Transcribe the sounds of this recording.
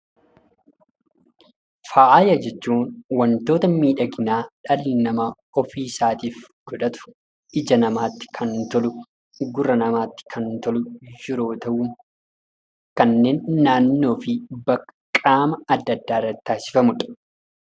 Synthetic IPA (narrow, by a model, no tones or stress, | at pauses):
faːʔaːjɐd͡ʒɛt͡ʃːuːnwɐnt̪o̞ːt̪ɐmiːᶑɐɡɪnaːᶑɐlnɐmɐ | ɔfiːsaːt̪iːfɡ̥ɔᶑɐt̪ʊ̥ | ɪd͡ʒɐnɐmaːt̪ːɪ̥kʰɐnt̪ɔlʊ | ɡʊrːɐnɐmaːt̪ːɪ̥kʰɐnt̪ɔlʊd͡ʒɪɾo̞ːt̪ɐʔʊː | kɐnːe̞ːnːaːnːo̞ːfɪbɐkːɐ̥kʼːaːmɐɐd̪ːɐd̪ːaːɪrːɐt̪ːɪ̥ːt̪aːsɪ̥fɐmʊᶑɐ̥